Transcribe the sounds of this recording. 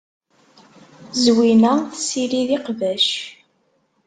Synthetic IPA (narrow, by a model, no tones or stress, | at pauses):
zwinæθsiɾiðiqvæʃ